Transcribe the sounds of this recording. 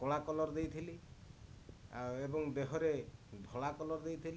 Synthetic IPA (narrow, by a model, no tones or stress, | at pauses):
kɔɭakɔlɔɾd̪ejt̪ʰili | aebɔŋd̪eɦɔɾed̪ʱɔɭakɔlɔɾd̪ejt̪ʰili